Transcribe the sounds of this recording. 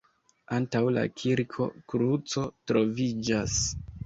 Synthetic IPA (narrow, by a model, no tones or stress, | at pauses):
antawla̰kʰiɾkʰo̞̰kɾut͡so̞tɾo̞vid͡ʒas